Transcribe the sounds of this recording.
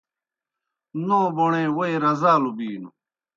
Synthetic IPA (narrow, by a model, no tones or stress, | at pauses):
nõːboɳẽːwoiɾɐzaːlubiːnṵ